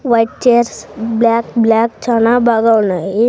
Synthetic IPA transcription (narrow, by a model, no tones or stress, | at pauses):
ʋaɪʈ̚t͡ʃeɾsblaːkblaːk̚t͡ʃʰaːnabaɡawnai